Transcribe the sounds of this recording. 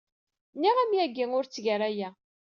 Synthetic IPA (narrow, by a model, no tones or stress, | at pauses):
nːiʁæmjæɡːiŋʊɾt͡sːʝəɾæjæ